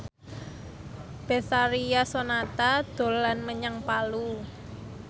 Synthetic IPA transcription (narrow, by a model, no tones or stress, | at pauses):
b̥esaɾijasonat̪ad̪̥o̤lanməɲaŋpalu